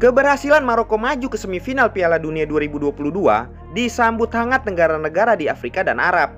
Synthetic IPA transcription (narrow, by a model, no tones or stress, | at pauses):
kəbərhasilanmaɾokomad͡ʒukəsəmifinalpialaduniaduaɾibuduapuludua̰ | disambʊt̪haŋat̪ːəŋɡaɾanəɡaɾadiafɾikada̰nʔa̰ɾap̚